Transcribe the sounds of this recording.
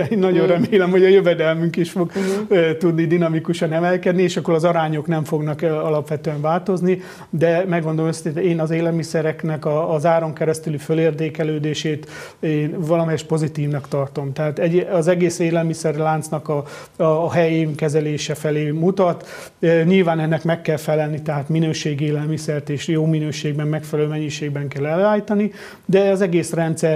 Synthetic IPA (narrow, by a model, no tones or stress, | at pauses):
eːnːɒɟo̞nrɛmeːlɛmho̞ɟɒjøvɛd̪ɛlmyŋkiʃfo̞ɡt̪ud̪nid̪inɒmikuʃɒnɛmɛlkɛd̪nieːʃɒkːo̞ɾɒzɒɾaːɲo̞knɛɱfo̞ɡnɒkɒlɒpʋɛt̪øɛɱvaːlt̪o̞zni | d̪ɛmɛɡːo̞nd̪olomset̪eːnɒzeːlɛlmisɛɾɛknɛkɒːzaːɾo̞ŋkɛɾɛst̪ylyføleːrt̪eːkɛløːd̪eːʃeːt̪eːnvɒlɒmɛjɛʃpo̞zit̪iːvnɒkt̪ɒrt̪o̞mt̪ɛɦaːt̪ɛɟɒzɛɡeːseːlɛlmisɛrlaːnt̪snɒkɒː | ɦɛjeːŋkɛzɛleːʃɛfɛleːmut̪ɒt̪ | ɲilvaːnɛnːɛkmɛkːɛlfɛlɛlnit̪ɛɦaːt̪minøːʃeːɡeːlɛlmisɛrt̪eːʃjoːminøːʃeːɡ̚bɛmːɛkfɛlɛløːmɛɲːiʃeːɡ̚bɛŋkɛlɛløaːjit̪ɒni | d̪ɛɒzɛɡeːsrɛnt̪sɛr